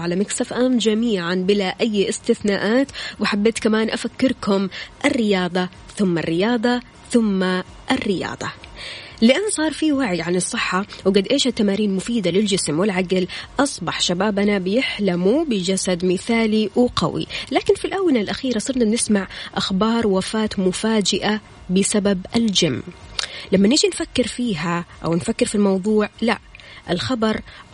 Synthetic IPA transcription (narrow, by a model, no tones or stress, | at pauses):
ʕalamaksafʔaːmd͡ʒamiːʕanbɪlaʔajːʔɪst̪ɪθnaːʔaːt̪wħabːeːt̪kamaːnʔafakːɪɾkʊmʔɪrːɪjɑːd̪ˤɑ | θʊmːa̰rːɪjɑːd̪ˤɑ | θʊmːa | ʔɪrːɪjɑ̰ːd̪ˤɑ | lɪʔanːasˤɑːɾˤfiwaʕjʕanɨsˤːɨħːɑwɡad̪ʔeːʃhat̪ːamaːɾiːnmʊfiːd̪alɪld͡ʒɪsmwɪlʕaɡlʔɑsˤbɑħʃabaːbanabɪjɪħlamubɪd͡ʒasad̪mɪθaːliwɪqɑ̰wḭlaːkɪnfilʔawːanalʔaxiːɾasˤɨɾnabnɪsmaʕʔaxbɑːɾˤwafaːt̪mʊfaːd͡ʒɪʔa | bɪsababɪld͡ʒamːlamːanɪʔd͡ʒinfakːɪɾfiːɦaʔa̰wnfakːɪɾfilmɑwðˤuːʕla̰ʔɪlxɑbɑɾˤ